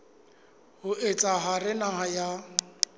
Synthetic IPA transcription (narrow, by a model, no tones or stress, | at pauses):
hʊet͡sʼaɦarɪnaɦaja